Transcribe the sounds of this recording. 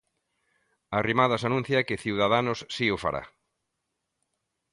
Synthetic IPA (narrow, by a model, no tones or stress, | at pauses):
arimaðasanũn̟θjakɪθiwð̞aðanʊssiʊfa̰ɾʔa̰